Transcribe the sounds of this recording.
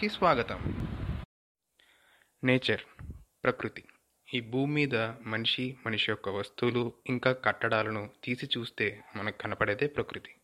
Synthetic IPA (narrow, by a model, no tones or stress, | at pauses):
kisʋaːɡɐt̪ɐm | neːt͡ʃɐɾpɾɐkɾut̪i̥ | iːbʱuːmːiːd̪ɐmɐniʂimɐniʂijɔkːɐʋɐst̪uluiŋkaːkɐʈːɐɽaːlɐnut̪iːsit͡ʃuːst̪e̞ːmɐnɐkkɐnɐpɐɽeːd̪e̞ːpɾɐkɾut̪i̥